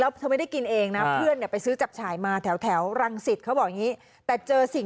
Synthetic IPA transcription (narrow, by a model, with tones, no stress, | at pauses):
lɛː˦˥wt̪ʰa˧m˥˩da˥˩ki˧nʔeː˧ŋna˦˥pʰɯ˥˩əni˨˩əpa˧jsɯː˦˥t͡ɕa˨˩p̚t͡ɕʰaː˨˩˦jmaː˧t̪ʰɛː˩˦wt̪ʰɛː˩˦wɾa˧ŋsi˨˩t̪̚kʰwbɔː˨˩ʔŋiː˦˥ | t̪ɛː˨˩t͡ɕɤː˧si˨˩ŋ